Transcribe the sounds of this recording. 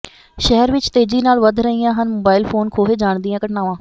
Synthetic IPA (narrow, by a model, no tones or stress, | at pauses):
ʃɛɦəɾʋɪt͡ʃt̪eːd͡ʒiːnaːlʋəd̪ʱɾəiːjãːɦənmoːbaːɪlpʰoːnkʰoːɦeːd͡ʒaːɳd̪iːãːkəʈnaːʋãː